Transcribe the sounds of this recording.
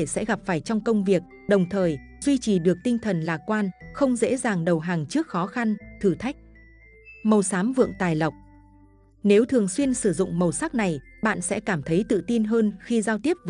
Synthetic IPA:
e˧˩sɛ̰˧˥ɣa˨˩p̚faː˧˩jt͡ɕɔ˧wŋ͡mkə˧wŋ͡mvi˨˩ək̚ | ɗə˨˩wŋ͡mt̪ʰəː˨˩jzwi˧t͡ɕi˨˩ɗɨ˨˩ək̚t̪ï˧ŋt̪ʰə˨˩nlaː˨˩kwaː˧nxə˧wŋ͡mzḛ˧˥zaː˨˩ŋɗə˨˩wɦaː˨˩ŋt͡ɕɨ˦˥ək̚xɔ˨˦xa˧nt̪ʰɨ˨˩t̪ʰa˦˥jk̟̚ | mə˨˩wsaː˨˦mvɨ̰˧˨əŋt̪aː˨˩jla˨˩wk͡p̚ | ne˨˦wt̪ʰɨ˨˩əŋswi˧ənsɨ˧˩zʊ̰˧˨ŋ͡mmə˨˩wsaː˦˥k̚na˨˩jɓa̰ː˧˨nsɛ̰˧˥kaː˧˩mt̪ʰə˨˦jt̪ɨ̰˧˨t̪i˧nɦəː˧nxi˧zaː˧wt̪i˦˥əp̚v

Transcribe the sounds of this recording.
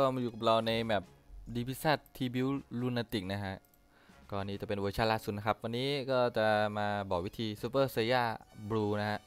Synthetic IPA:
kɔː˥˩ma˧juː˨˩ka˨˩ɾa˧wna˧jbɛː˨˩p̚diː˧pʰi˦˥saː˥˩t̪ʰːiː˧bi˧˥wlu˧nːaː˧t̪i˨˩k̚na˦˥kʰa˦˥ʔ | kɔː˧nːiː˦˥t͡ɕa˨˩pe˧nwoː˧t͡ɕʰaː˦˥˩laː˥˩su˨˩t̪̚na˦˥kʰp̚wa˧nːiː˦˥kɔː˥˩t͡ɕa˨˩maː˧bɔː˨˩k̚wi˦˥t̪ʰiː˧su˧˥pɤː˥˩sa˧jaː˥˩bɾuː˧na˦˥kʰa˦˥ʔ

